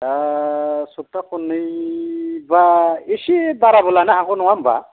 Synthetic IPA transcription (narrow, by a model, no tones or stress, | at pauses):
a | sutːakunːɯj | baesibaɾabɔlanaakɔnɔwamba̰